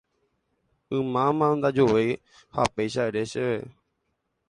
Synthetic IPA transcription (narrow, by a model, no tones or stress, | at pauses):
ɨ̃mãmãnd̪ad͡ʒoʋej | ha̰pejʃaeɾeʃeʋe